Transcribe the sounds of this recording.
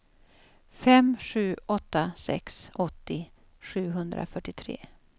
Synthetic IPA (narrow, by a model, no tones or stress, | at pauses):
fɛmɧʉ̟ːɔt̪ːasɛ̰ksɔt̪ːɪ | ɧʉ̟ːɦɵnd̪ɾʔa̰fœʈːɪt̪ʰɾḛː